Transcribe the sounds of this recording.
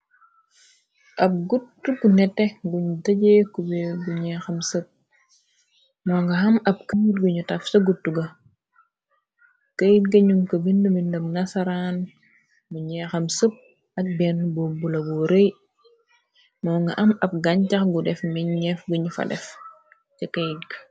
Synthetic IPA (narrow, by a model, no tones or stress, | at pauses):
ʔɐb̚ɡutːukunɛtːɛɡuɲudɐɟekubɛbuɲɛxɐmsəp̚ | mɔːŋɡɐɦɐmɐp̚kəjit̚ɡuɲutɐfsɐɡutːuɡɐ | kɐjtɡɐɲumkɐbindumindɐmnɐsɐɾaːn | buɲɛːxɐmsəp̚ | ɐk̚bɛnbobulɐbuɾej | mɔːŋɡɐ̰ʔɐmɐb̚ɡɐɲcɐxɡudɛfmɛɲɲɛfɡuɲufɐ̰dɛ̰f | cikɐjt̚ɡɐ̥